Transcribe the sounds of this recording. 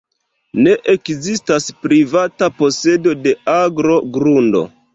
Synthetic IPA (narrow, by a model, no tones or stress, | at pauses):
ne̞ʔekzistaspɾivatapo̞se̞do̞de̞aɡɾo̞ɡɾundo̞̰